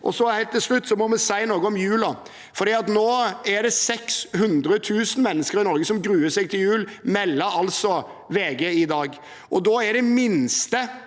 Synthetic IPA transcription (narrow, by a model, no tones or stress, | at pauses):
ʔɔ̰sɔhæɪt̪ʰːɪlslʉt̪ːsɔmɔmɛsæɪnoːɡəɔmjʉːlɑ | fɔɾɖ̪iːɑt̪noːæɖɛsɛkshʉnd̪ɾət̪ʰʉːsən̩mɛnːəskəɾɪnɔɾɡəsɔmɡɾʉːəsɛɡt̪ʰɪljʉːlmɛlːəɾɑlsɔ | ʋeːɡeɪd̪ɑːɡ | ʔɔd̪ɔæɖɛmɪnst̪ə